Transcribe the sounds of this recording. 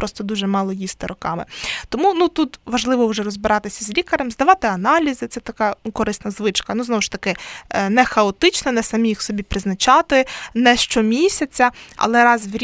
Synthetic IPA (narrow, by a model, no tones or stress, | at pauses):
pɾɔst̪ɔd̪uʒɛmɑlˠɔjist̪ɪɾɔkɑmɪ̰t̪ɔmunut̪ut̪ʋɐʒlˠɪʋɔwʒɛɾɔzbɪɾɑt̪ɪsʲɐzʲlʲikɐɾɐmzd̪ɐʋɑt̪ɪɐnɑlʲizɪt̪sɛt̪ɐkɑnukɔɾɪsnɐzʋɪt͡ʃkɐnuznɔʋʊʃt̪ɐkɪnɛxɐɔt̪ɪt͡ʃnɐnɛsɐmʲijixsɔbʲipɾɪznɐt͡ʃɑt̪ɪnɛʃt͡ʃɔmʲisʲɐt͡sʲːɐɐ̰lˠɛɾɑzʋɾʲ